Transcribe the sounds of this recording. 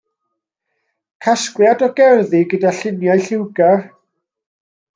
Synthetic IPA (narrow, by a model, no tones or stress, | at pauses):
kʰaskwjadɔɡɛrðiɡədaɬɪnjajɬɪwɡar